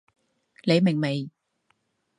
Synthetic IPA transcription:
le˨˧jmɪ˨˩ŋme˨˩j

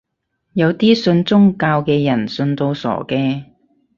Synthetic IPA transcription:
jɐ˨˧wt̪iː˥sɵ˧nt͡sʊ˥ŋkaː˧wkɛː˧jɐ˨˩nsɵ˧nt̪o˧wsɔ̰ː˨˩kɛː˧

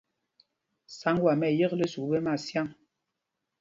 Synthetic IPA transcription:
sa˨˦ŋɡwa˨mɛ˨jə˦klə˦su˨bə˦ma˦˨sja˦˨ŋ

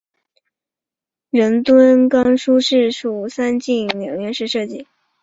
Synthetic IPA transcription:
ɻə˧˥nt̪wə˥nkɑ˥ŋʂu˥ʂɻ̩˥˩ʂu˨˩sa˥nt͡ɕi˥˩ŋljɑ˨˩ŋɥɛ˥˧˥nʂɻ̩˥˧ʂɤ˥˧t͡ɕi˥˩

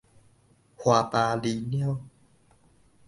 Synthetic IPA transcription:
hwaː˨˧˩t̪aː˧liː˨˧˦ni˥ə˨w

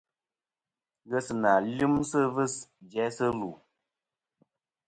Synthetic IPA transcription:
ɣə˦sɨ˨na˨li˦msɨ˦vɨ˦sd͡ʒɛ˨˦sɨ˦lu˨

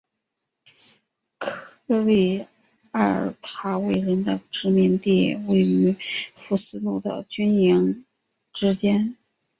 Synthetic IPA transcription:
kʰɤ˥ɤ˥˧li˥˩ | a̰˥˩˧t̪ʰa˧˥we˥˩ɪɻə˧˥nd̪ə˧ʈ͡ʂɻ̩˧˥mi˧˥ŋt̪i˥˩we˥˩ɪy˧˥fu˥˩sɹ̩˥lu˥˩d̪ə̰˩t͡ɕy˥nji˧˥ŋ | ʈ͡ʂɻ̩˥t͡ɕjɛ˥n

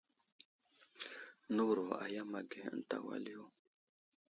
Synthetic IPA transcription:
nu˦wɾo˨a̰˨ja˦ma˨ɡe˨ə̰˦n˦ta̰˨wa̰˦li˦jo˦˨

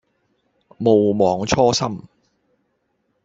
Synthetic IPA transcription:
mo˨wmɔː˨˧ŋt͡ʃʰɔː˥sɐ˥m

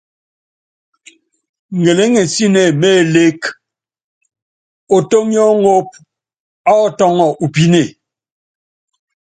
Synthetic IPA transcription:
ŋ˨ɡe˨le˦ŋe˨n˨si˦ne˨me˦˨le˦k | o˨to˦mjɔ˦ŋo˦p̚ | a˦ɔ˦˨tɔ˦ŋɔ˦˨ʔu˨pi˦ne˨

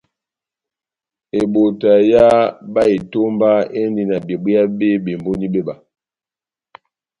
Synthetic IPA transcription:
e˨bo˨ta˨ja˦ba˦e˨to˦mba˦e˦ndi˨na˨bje˨bi˦a˦be˦be˨mbo˦ni˦be˦ba˨

